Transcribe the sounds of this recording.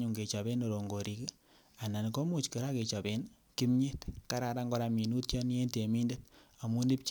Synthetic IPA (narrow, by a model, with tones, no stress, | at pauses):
ɲu˨ŋɡe˨t͡ʃɔ˨βe˦no˨ɾo˨ŋɡo˨ɾi˨k | a˨na˨nko˦mu˨t͡ʃki˨ɾa˦ke˨t͡ʃɔ˨be˦n | ki˦mɲe˦tka˦ɾa˨ɾa˦ŋɡɔ˦ɾa˨mi˨nu˦tjɔ˦n˦e˦nte˨mi˦nde˦ta˨mu˦ni˦p̚t͡ʃ